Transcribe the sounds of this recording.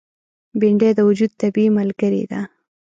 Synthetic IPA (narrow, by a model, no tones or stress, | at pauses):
biɳɖed̪əwʊd͡ʒud̪̚t̪abiməlɡəɾḭd̪a